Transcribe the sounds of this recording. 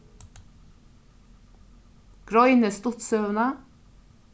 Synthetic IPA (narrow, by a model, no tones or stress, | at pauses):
ɡ̥ɾɔʏnəst̪ʊt̪sœʋnə